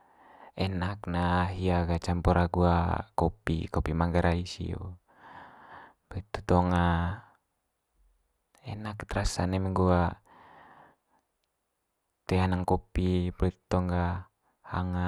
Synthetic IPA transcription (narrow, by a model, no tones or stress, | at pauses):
ɛnaknaɦiaɡat͡ʃampɔɾʔaɡuakopḭkopimaŋɡaɾʔaisḭo̰ | bit̪ːut̪ɔŋa | ɛnakt̪ɾasanɛmɛŋɡua | t̪ɛanaŋkopiblit̪u̥t̪ɔŋɡa | ha̰ŋa